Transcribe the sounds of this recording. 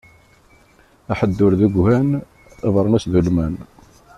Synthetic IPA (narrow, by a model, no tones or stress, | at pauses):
æħəd̪ːʊɾðæɡʷhæn | eðˤɾˤənæsðulmæn